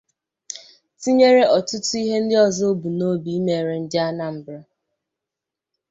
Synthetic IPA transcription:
ti˦ɲe˦ɾe˦ʔɔ˨tʊ˦tʊ˦i˦ɦe˦n̩˦dɪ˦ɔ˦zɔ˦o˦bu˨no˦bi˨i˦me˨ɾe˨n̩˦dɪ˦a˦na˨m̩˨bɾɪ˦

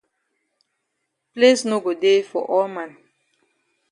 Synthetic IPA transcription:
plesnoɡo˨de˦fɔ̰˨ʔɔ˦lmãn

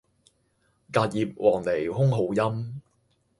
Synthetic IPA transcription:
kaː˧t̚jiː˨p̚wʔɔː˨˩ŋle˨˩jhʊ˥ŋɦo˨˥wjɐ˥m

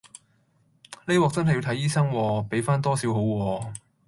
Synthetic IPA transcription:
le˥jwɔː˨˥k̚t͡sɐ˥nɦɐ˨ji˧wt̪ʰɐ˨˥jiː˥sɐ˥ŋwɔː˧pe˨˥jfaː˥nt̪ɔː˥siː˨˥wɦo˨˥wwɔː˧

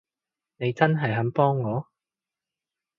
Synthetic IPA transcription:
ne˨˧jt͡sɐ˥nɦɐ˨jɦɐ˨˥mpɔː˥ŋːɔː˨˧

